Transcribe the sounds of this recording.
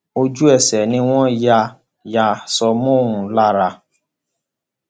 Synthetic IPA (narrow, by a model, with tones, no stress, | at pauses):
o˧d͡ʒu˦ɛ˦˨sɛ˨nĩ˧w̃ɔ̃˦ja˧ | ja˧sɔ˧mɔ̃˦˨ɾũ˨la˦ɾa˧